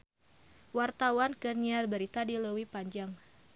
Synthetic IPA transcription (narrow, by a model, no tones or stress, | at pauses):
wart̪awankərniarbəɾit̪adiləwipaɲd͡ʒaŋ